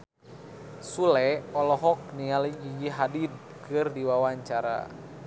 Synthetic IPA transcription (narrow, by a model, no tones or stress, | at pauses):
sulɛɔlɔɦɔk̚nialid͡ʒid͡ʒiɦadid̚ | kʰɨrdiwawaɲt͡ʃaɾa̰